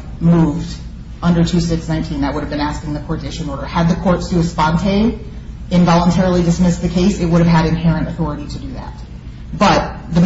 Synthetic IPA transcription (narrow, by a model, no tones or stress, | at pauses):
muvd | ʌ̃ndə˞tʰʉsɪksnãɪ̃ntʰĩnðɨt̚wʊɾɨvbɨ̃næskɪ̃ŋðɨkʰɔɹdɪʃɨ̃nɔɹɾə˞ɨd̪̚ðɨkʰɔɹtstɨɨspɑ̃ntʰẽɪ̃n | ɨ̃nvɑlˠə̃ntʰɛɹl̩ˠidɨsmɪsðɨkʰeɪsɨt̚wʊɾɨv̥ɨɾɨ̃nɦɛɹɨ̃ntɨθɔɹɨɾiɾɨdɨðæ̰t̚ | b̥ʌt̪̚ | ðɨ